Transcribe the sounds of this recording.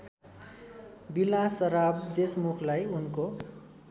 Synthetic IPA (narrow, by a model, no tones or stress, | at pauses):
bilasʌɾab̚d̪esmukʰlajunko